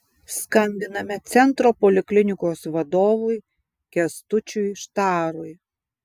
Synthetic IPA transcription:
skɐnʲd̪ʲɪnɐmʲɛt̪sʲɛnt̪ɾoːpɔlʲɪklʲɪnʲɪkoːsʋɐd̪oːʋʊɪ | kʲɛst̪ʊt͡ʃʲʊjʃt̪ɑːɾʊj

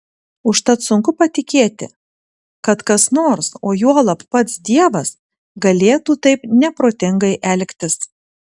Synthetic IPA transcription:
ʊʃt̪ɐt̪sʊŋkʊpɐt̪ʲɪkʲeːt̪ʲɪ̰ | kɐt̪kɐsnoːɾsoːjuɔlˠɐppɐt̪sd̪ʲiɛʋɐs | ɡɐlʲeːt̪uːt̪ɐɪpnʲɛpɾoːt̪ʲɪŋɡɐɪʔɛlʲkʲt̪ʲɪs

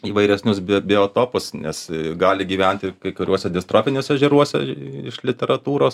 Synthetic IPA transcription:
iːʋɐɪɾʲɛsʲnʲʊsbʲbʲɪoːt̪oːpʊsnʲɛ̰sɡɑːlʲɪɡʲiːʋʲɛnʲt̪ʲɪkɐɪkʊɾʲuɔsʲɛd̪ʲɪst̪ɾoːfʲɪnʲoːsʲɛʒʲiɾuɔsʲɛ̰ɪʃlʲɪt̪ʲɛɾɐt̪uːɾoːs

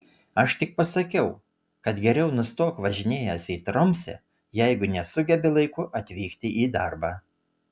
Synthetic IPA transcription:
ɐʃt̪ʲɪk̚pɐsɐkʲɛʊ | kɐt̪ɡʲɛɾʲɛʊnʊst̪oːkʋɐʒʲɪnʲeːjɛsʲiːt̪ɾɔmʲsʲɛ̰ | jɛɪɡʊnʲɛsʊɡʲɛbʲɪlˠɐɪkʊʔɐt̪ʲʋʲiːkt̪ʲɪʔiːd̪ɐɾbɑː

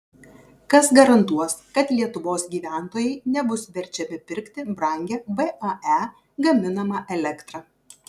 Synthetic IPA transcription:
kɐsɡɐɾɐnt̪uɔskɐt̪lʲiɛt̪ʊʋoːsɡʲiːʋʲæˑnˑt̪oːjɛɪnʲɛbʊsʋʲɛɾʲt͡ʃʲɛmʲɪpʲɪɾʲkt̪ʲɪbɾɐˑŋʲɡʲɛːbɛʔɐæ | ɡɐmʲɪnɐmɑʔɛlʲɛkt̪ɾɑː

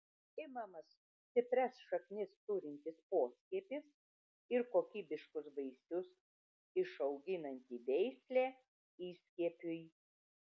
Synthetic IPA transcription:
ɪmɐmɐs | t̪ʲɪp̪ʲɾʲɛsʃɐknʲɪst̪uːɾʲɪnʲt̪ʲɪspoːsʲkʲiɛpʲɪs | ɪɾkoːkʲiːbʲɪʃkʊsbɐɪsʲʊs | ɪʃɐʊɡʲɪnɐnʲt̪ʲiːʋʲɛɪsʲlʲeː | iːsʲkʲiɛpʲʊj

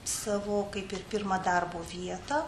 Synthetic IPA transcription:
sɑːʋoːkɐɪpɪrpʲɪɾmɐd̪ɐrboːʋʲiɛt̪ɐ

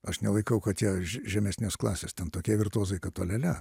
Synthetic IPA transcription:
ɐʃnʲɛlˠɐɪkɐʊkɐt̪tjʲiɛʒʲɛmʲɛsʲnʲesklˠɑːsʲeːstʲɛnt̪oːkʲiɛʋʲɪrt̪uɔzɐɪkɐt̪oːlʲɛlʲɛ

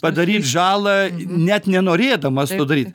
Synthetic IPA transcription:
pɐd̪ɐɾʲiːt̪ʒɑːlˠɐnʲɛt̪nʲɛnoːɾʲeːd̪ɐmɐst̪oːd̪ɐɾʲiːt̪

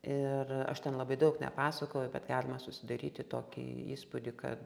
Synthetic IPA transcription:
ɪrɐ̰ʃt̪ʲɛnlˠɐbɐɪd̪ɐʊknʲɛ̰pɑːsɐkoʊʊbʲɛt̪ɡɑːlʲɪmɐsʊsʲɪd̪ɐɾʲiːt̪ʲɪt̪oːkʲḭḭːspʊd̪ʲɪkɐ̰t̪

